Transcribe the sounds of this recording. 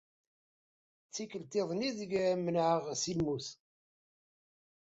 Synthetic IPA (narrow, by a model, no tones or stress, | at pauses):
t͡sːikːəlt̪eðˤniðəɡmənʕəʁsilmuθ